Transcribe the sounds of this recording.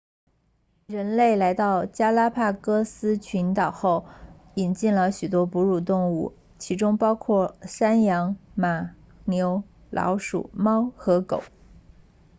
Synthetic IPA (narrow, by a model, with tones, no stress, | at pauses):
ɻə˧˥nle˥˩ɪla˧˥ɪt̪ɑ˥˩ʊt͡ɕja˥la˥pʰa˥˩kɤ˥sɹ̩˥t͡ɕʰy˧˥nt̪ɑ˨˩ʊxo˥˩ʊ | i˨˩nt͡ɕi˥˩nlə˨ɕy˨˩t̪wɔ˥pu˧˥ɻu˥˩t̪ʊ˥˧ŋu˥˩ | t͡ɕʰi˧˥ʈ͡ʂʊ˥ŋpɑ˥ʊkʰwɔ˥˩ʂa˥njɑ˧˥ŋma˨˩ | njo˧˥ʊ | lʔɑ̰˧˥ʊʂṵ˨˩mɑ˥ʊxɤ˧˥ko˨˩˦ʊ